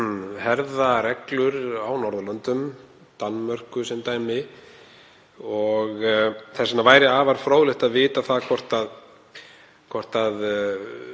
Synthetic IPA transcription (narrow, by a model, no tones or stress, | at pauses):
ɦɛɾðaɾɛklʏɾawnɔɾðʏlœnt̪ʏm | t̪anmœr̥kʏsɛmt̪aːjmɪ | ɔɣθɛsɪnavaːjɾɪaːvaɾ̥fɾoːwlɪht̪aðvɪːt̪aθaðkʰvɔr̥t̪að | kʰɔr̥t̪að